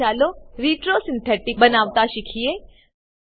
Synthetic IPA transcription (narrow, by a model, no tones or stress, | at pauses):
aːloɾiːʈɾoːsɪ̃nt̪ʰɛʈɪbɐnaːʋt̪aʃɪkʰieː